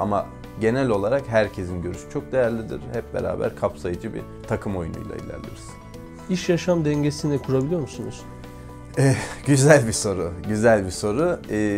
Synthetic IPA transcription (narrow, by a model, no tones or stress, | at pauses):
ama̰ | ɟe̞nælʲo̞lˠaɾakɦæɾcʰe̞zinɟø̞ɾysy̥t͡ʃʰo̞k̚d̪e̞jæɾlʲid̪ḭɾ̥hɛp̚be̞̰ɾa̰ːbæ̰ɾkʰapsajɯd͡ʒɯbḭ | t̪ʰakʰɯmo̞junṵjlˠa̰ḭlʲæ̰ɾlʲḭɾiz̥ | iʃjaʃamd̪ɛɲɟesinɛkʰuɾabilʲijo̞ɾmusunuz̥ | ɛːɟyzælʲbiso̞ɾuɟyzælʲbiso̞ɾu